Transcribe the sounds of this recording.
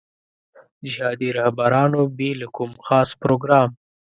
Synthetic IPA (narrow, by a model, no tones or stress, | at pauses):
d͡ʒhɑd̪iɾahbaɾɑnobelakumxɑspɾoɡɾɑm